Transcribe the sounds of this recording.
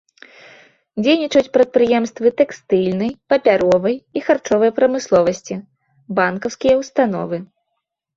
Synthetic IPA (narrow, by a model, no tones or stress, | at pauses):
d͡zʲejnʲit͡ʂɐt͡sʲpɾɐt̪̚pɾɨjɛmst̪vɨt̪ɛkst̪ɨlʲnɐjpɐpʲaɾɔvɐjixart͡ʂɔvɐjɐpɾɐmɨslˠɔvɐsʲt͡sʲi | bankɐwskʲijɐwst̪an̪ɔ̰vɨ